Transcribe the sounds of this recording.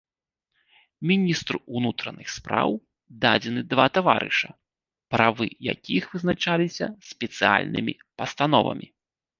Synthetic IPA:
mʲinʲist̪ɾuunut̪ɾɐnɨxspɾa̰w | d̪ad͡zʲɛnɨd̪vat̪ava̰ɾɨ̰ʂɐ | pɾavɨja̰kʲixvɨznat͡ʂalʲisʲɐsʲpʲɛt̪sɨa̰lʲnɨmʲi | pɐst̪an̪ɔvɐ̰mʲi

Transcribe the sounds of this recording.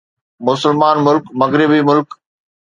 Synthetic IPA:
mʊsəlmaːnmʊlkmɐɣɾɪbimʊlk

